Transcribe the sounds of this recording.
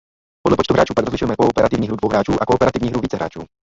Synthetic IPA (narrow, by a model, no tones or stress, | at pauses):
podlɛpot͡ʃt̪uɦɾaːt͡ʃuːpaɡɾozlɪʃujɛmɛkoɔpɛɾat̪ivɲiːɦɾud̪vowɦɾaːt͡ʃuːʔakoːpɛɾat̪ivɲiːɦɾuviːt͡sɛɦɾa̰ːt͡ʃṵː